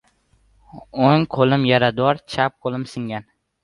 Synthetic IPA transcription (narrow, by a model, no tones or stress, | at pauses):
oŋqʰolˠɪmjaɾad̪ɒɾt͡ʃʰap̚qʰolˠɪmsɪŋɡʲan